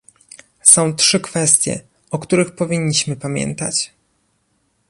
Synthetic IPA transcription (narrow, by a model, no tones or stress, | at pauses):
sɔ̃w̃tʂɘkfɛst̪ʲjɛ̰ | ɔkt̪uɾɘxpɔvʲiɲːiɕmɘpamʲjɛ̰nt̪a̰t͡ɕ